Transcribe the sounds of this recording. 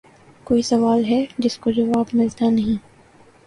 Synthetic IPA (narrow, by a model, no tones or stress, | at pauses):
koːisɐʋaːlɦɛd͡ʒɪskod͡ʒɐʋaːbmɪlt̪anɐɦĩ